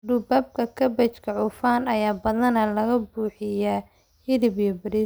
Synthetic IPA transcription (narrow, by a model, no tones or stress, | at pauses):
ɖʊbaːb̚kʰɐkʰɐbɐt͡ʃkʰɐʕʊfaːnɐjaːbɐðɐnɐlɐɣɐbuːħɪja | hɪðɪbjɔbɐɾiː